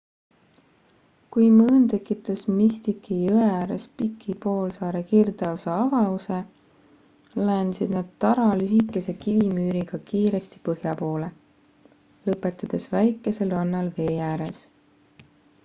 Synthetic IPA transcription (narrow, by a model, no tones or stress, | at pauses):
kujmɤːnt̪e̞kːˑit̪ːˑɑsmist̪ikːijoeæːɾe̞̰spikʰːipo̞ːlsɑːɾe̞kird̪eoseɑvɑuse̞ | læːnsid̪̥nɑd̪̥̚t̪ɑɾɑlyɦikːˑe̞se̞kivimyːɾiɡ̥ɑkiːɾe̞st̪i̥pɤhjɑpo̞ːle̞ | lɤpːˑe̞t̪ˑːɑd̪̥e̞svæjkːˑe̞se̞lɑnːɑlve̞ːjæːɾe̞s